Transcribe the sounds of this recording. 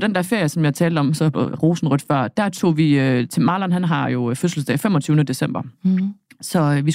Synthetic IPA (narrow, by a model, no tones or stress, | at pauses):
d̥end̥æɐfe̝ɐ̰jəsɒ̽mjɑ̈t͡sʰɛːld̥əɒ̽msɒ̽ʁo̝ːsn̩ʁœd̥fɶɐ̰d̥æɐt͡sʰo̝̰ːʋiøt͡sʰe̝mɑ̈ːlɐnɦænɦɑ̈jo̝føsl̩sd̥ɛ̰ːfemɒ̽t͡sʰyːʊnəd̥e̝sem̰b̥ɐ | sɒ̽ʋis